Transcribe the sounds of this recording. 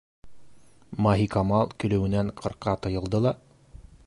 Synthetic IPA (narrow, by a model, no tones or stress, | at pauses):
maɦikɑmɑlˠkɵ̆lɘ̆wɘ̆næɴqʰɤ̆ɾqɑt̪ɤ̆jɤ̆lˠd̪ɤlˠɑ